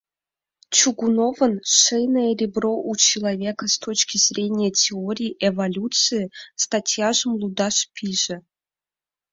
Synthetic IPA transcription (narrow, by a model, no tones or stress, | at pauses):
t͡ʃʰuɡunovənʂejnəjərʲibroʔut͡ɕʰilˠɐvʲekəst̪ʰot͡ɕkʲizrʲenʲijətʲʰeoɾʲiːʔevɐlʲut̪sɨjɪst̪atʲjaʒəmlˠud̪aʂpʲʰiʒə